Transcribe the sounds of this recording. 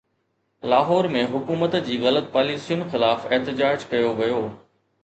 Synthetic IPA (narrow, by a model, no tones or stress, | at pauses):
laːɦɔːɾmẽɦʊkuːmət̪d͡ʑiːɣɐlət̪̚paːliːsijʊnxɪlaːfeɦt̪ɪd͡ʑaːd͡ʑkɐjoʋɐjoː